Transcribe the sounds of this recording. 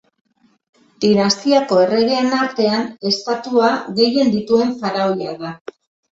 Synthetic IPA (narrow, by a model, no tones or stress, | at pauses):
d̪̥inast̪iako̞e̞re̞ɣ̞e̞ːnaɾt̪e̞ane̞st̪at̪uaɣe̞je̞nd̪it̪ue̞ɱfaɾaojaða